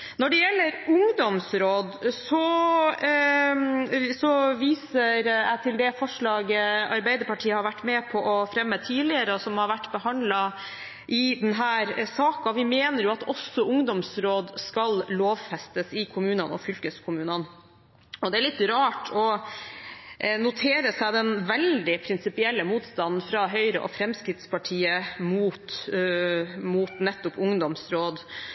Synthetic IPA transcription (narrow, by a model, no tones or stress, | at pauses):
nɔɖɛjɛlːəɾʊŋd̪ɔmsɾoːd̪sɔ | sɔʋiːsəɾæɪt̪ʰɪld̪ɛfɔʂɭɑːɡəɑ̰ɾbæɪd̪əɾpɑʈʰiːəhɑɾʋæʈːmɛpʰɔʔɔfɾɛmːət̪ʰiːd̪lɪəɾəɔsɔmhɑɾʋæʈːbəɦɑnd̪lɑ | ʔɪd̪ɛnɦæːɾsɑːkɑʋɪmeːnəɾjʊɑt̪ɔsːɔʔʊŋd̪ɔmsɾoːd̪skɑlloːʋfɛst̪əsɪkʰʊmʉːnənɔ̰fʏlkəskʰʊmʉːnɑn | ɔd̪ɛæɾɭɪt̪ːɾɑːʈʰɔ | nʊt̪ʰeːɾəsæɪd̪ɛnʋɛld̪ɪpʰɾɪnsɪpɪɛlːəmuːt̪st̪ɑnn̩fɾɑɦœʏɾəʔɔ̰fɾɛmskɾɪt̪spɑʈʰiːəmuːt̪ | muːt̪nɛt̪ːɔpʊŋd̪ɔmsɾoːd̪